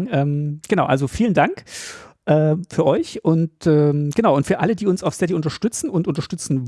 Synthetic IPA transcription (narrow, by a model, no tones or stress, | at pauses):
ʔɛːmɡ̥ənaʊʔa̰lzofiːləndaŋkʔɛːfyːɐʔɔʏçʔʊntʔɛːmɡ̥ənaʊʊntfyːɐʔalədiːʊnsaʊfstɛtiʔʊntɐʃtʏt͡sn̩ʊntʔʊntɐʃtʏt͡sn̩